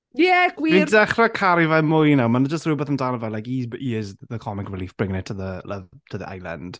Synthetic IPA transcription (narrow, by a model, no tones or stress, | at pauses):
jɛɡ̥wiidɛχrɛkʰaɾivɛmʊjnawmanəd͡ʒəstrubɛθəmdanəvɛlajkiiɪzðəkʰɔmɪkrɪliːfb̥rɪŋnɪtʰəðələ̰vtʰəðəʔa̰jlˠa̰nd̥